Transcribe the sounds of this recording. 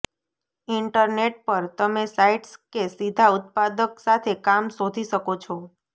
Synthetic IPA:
iɳʈəɾneʈ̚pəɾt̪əmesaiʈskesid̪ʱaʊt̪̚pad̪əksat̪ʰekamsod̪ʱiʃəkot͡ʃʰɔ

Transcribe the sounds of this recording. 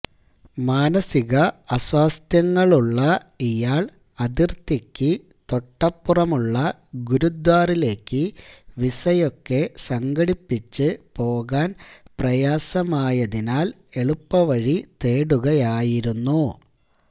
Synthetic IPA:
maːnɐsiɣɐɐswaːst̪jɐŋːɐɭuɭːɐijaːɭ | ɐðirt̪ikʲːɨ | t̪o̞ʈːɐpːurɐmuɭːɐ | ɡuɾud̪waːrile̞ːkːɨʋisɐjo̞kːe̞sɐŋɡɐɽipːit͡ɕːɨpo̞ːɣaːnprɐjaːsɐmaːjɐðinaːl | e̞ɭupːɐʋɐɻit̪e̞ːɽuɣɐjaːjiɾunːu

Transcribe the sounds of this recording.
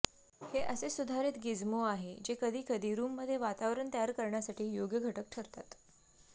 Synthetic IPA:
heʔəsesud̪ʱaɾit̪ɡid͡zmoaɦed͡ʑekəd̪ʱiːkəd̪ʱiːɾuːmːəd̪ʱːjeʋat̪aʋɾəɳt̪əjaɾkəɾɳjasaʈiːjoɡjəɡʱəʈək̚ʈʰəɾt̪at̪

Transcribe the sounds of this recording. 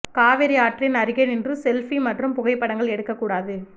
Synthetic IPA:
kaːʋɪɾɪaːʈrɪnɐɾɯɣɐnɪndrɯsɛlfimɐʈrɯmpʊɣɐɪpːɐɽɐŋɡɐɭɛɽɯkːɐkːuːɽaːðɯ

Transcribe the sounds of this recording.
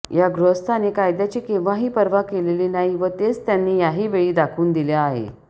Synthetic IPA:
jaɡɾəst̪ʰanekajd̪jat͡ɕiːkẽʋãɦiːpəɾʋakeleliːnaɦiʋət̪et͡st̪janːiːjaɦiːʋeɭiːd̪akʰuːnd̪iljaːɦḛ

